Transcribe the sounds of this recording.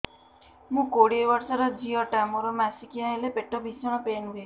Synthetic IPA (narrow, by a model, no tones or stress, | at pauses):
mũkoɽiewaɾsaɾɔd͡ʒiɔʈamɔɾɔmasikiailepeʈɔbʱisɔɽ̃ɔpenue